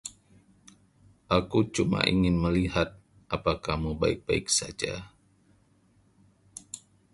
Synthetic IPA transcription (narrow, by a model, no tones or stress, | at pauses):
ʔakut͡ʃuma̰ʔḭŋɪnməliɦat̪̚ | ʔapakahmuba̰ɪk̚b̥aɪk̚sad͡ʒa̰